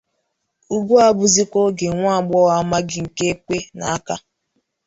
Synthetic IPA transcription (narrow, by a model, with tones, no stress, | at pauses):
u˦ɡʷu˦a˦bʊ˨zi˦kʷo˦ɡe˨ŋʷa˦a˨ɡ͡bɔ˦ɣa˦ma˦ɡɪ˦ŋ̩˨ke˦kʷe˦na̰˨a˦ka˦